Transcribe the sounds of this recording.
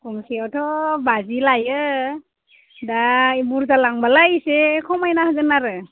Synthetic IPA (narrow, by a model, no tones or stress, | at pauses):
kɔmsiawtʰɔbazilajɯ | daibuɾzalaŋbalajsekʰɔmajnahaɡɯnaɾɯ